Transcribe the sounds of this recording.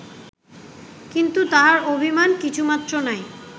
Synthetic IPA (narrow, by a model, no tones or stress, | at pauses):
kint̪ut̪aɦaɾobʱimankit͡ɕʰumat̪ːɾonaj